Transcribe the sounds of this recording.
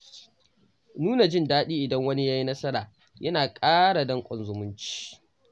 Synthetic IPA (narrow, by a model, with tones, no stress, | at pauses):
nuː˦na˨d͡ʒɪ˦˨ndaː˦ɗiː˦ʔɪ˨dɐ˦ŋwɐ˦ni˦ja˦ji˦nɐ˦sɐ˦ɾaː˨ | jʔɐ˦naː˨kʼaː˦ɽa˨dɐ˦ŋkʷʼɔ˨nzʊ˨mʊ˦nt͡ʃi̥˦˨